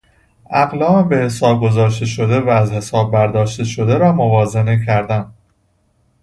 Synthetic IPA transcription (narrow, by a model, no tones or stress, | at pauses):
ʔæɣlɒːbe̞hesɒːb̚ɡo̞zɒːʃt̪e̞ʃo̞d̪e̞væːzhe̞sɒːb̚ːæɾd̪ɒːʃt̪e̞ʃo̞d̪e̞ɾɒːmovɒːzenecʰæɾd̪æn